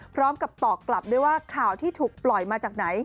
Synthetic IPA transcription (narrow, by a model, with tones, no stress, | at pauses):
pʰɾɔː˦˥mka˨˩p̚t̪ɔː˨˩kːla˨˩p̚du˥˩˨jwaː˥˩kʰaː˨˩wt̪ʰiː˥˩t̪ʰuː˨˩k̚plɔ˨˩jmaː˧t͡ɕaː˨˩k̚na˩˦j